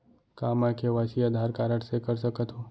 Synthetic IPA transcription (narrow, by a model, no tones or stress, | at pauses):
kaːmakeʋaːsiaːd̪ʱaːɾkaːɾəʈsekəɾsəkət̪ɦoː